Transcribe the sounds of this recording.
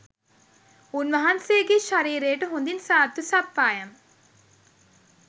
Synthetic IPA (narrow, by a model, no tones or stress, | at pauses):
unʋɐɦanseːɡeːʃaɾiːɾeːʈəɦund̪insaːt̪ːusapːaːjam